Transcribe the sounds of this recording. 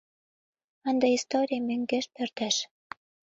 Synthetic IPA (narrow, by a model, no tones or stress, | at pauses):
ɑnd̪ɑist̪oɾʲijəmøŋɡeʃpørt̪æʃ